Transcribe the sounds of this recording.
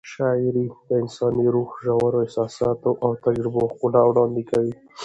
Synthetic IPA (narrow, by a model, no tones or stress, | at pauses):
ʃɑɪɾid̪̥əɪnsɑniɾuxʒawaɾoɪsɑsɑt̪oʔawt̪ad͡ʒɾɪboxunawɽɑnd̪ikawi